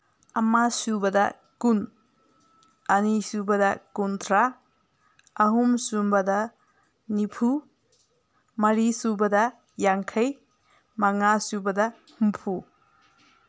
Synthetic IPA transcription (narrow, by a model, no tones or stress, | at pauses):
ɐmasubɐdɐ | kun | ɐnisubɐdɐkuntʰɾa | ɐɦumsumbɐdɐ | nipʰu | mɐɾisubɐdɐ | jaŋkʰɐj | mɐŋasubɐdɐ | humpʰu